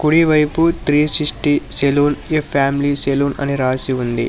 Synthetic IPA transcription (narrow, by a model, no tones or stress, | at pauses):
kuɽiʋɐjput̪ɾiːsisʈiseloːnepʰːaːmiliseloːnɐ̰niɾaːsiund̪ḭ